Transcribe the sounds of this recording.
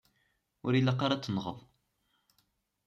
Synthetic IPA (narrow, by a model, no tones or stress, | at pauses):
ʊɾilːaqɑɾˤat͡sːənʁəðˤ